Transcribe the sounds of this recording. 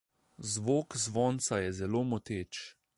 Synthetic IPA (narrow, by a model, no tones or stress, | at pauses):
zʋoːkzʋɔːnt̪sajɛzɛloːmɔt̪eːt͡ʃ